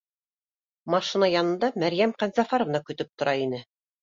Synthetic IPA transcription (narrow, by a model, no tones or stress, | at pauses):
mɑʃinɑjɑnɤ̆nd̪ɑmæɾjæmqænzɑfɑɾŏvnɑkɵ̆t̪ɵp̚t̪ŏɾɑinɘ